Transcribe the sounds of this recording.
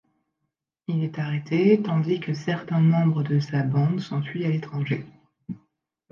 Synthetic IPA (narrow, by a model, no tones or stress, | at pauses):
ilɛt̪aʁet̪ʰet̪ɑ̃d̪ikəsɛʁt̪ɛ̃mɑ̃bʁəd̪əsabɑ̃d̪sɔ̃fɥialet̪χɑ̃ʒe